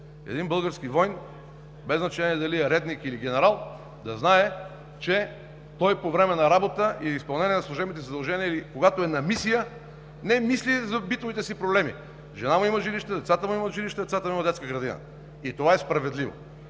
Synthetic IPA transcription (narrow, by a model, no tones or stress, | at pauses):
ɛ̰d̪inbɤlˠɡəɾskivɔjn | bɛznɐt͡ʃɛniɛd̪ɐliɛɾɛd̪nikiliɡ̟ʲɛnɛɾalˠ | d̪ɐznaɛ | t͡ʃɛ | t̪ɔjpovɾɛmɛnɐɾabot̪əʔiispɐlˠnɛniɛnɐslˠoʒɛbmit̪ɛzɐd̪ɐlˠʒɛniəilikoɡat̪oɛnɐmisijə | nɛmislizɐbit̪ovit̪ɛsipɾoblɛmḭ | ʒɛnamuiməʒiliʃt̪ɛd̪ɛt̪sat̪əmuiməʒiliʃt̪ɛd̪ɛt̪sat̪əmuimɐd̪ɛt̪kəɡɾɐd̪inə̰ | it̪ovaɛspɾɐvɛd̪livo̰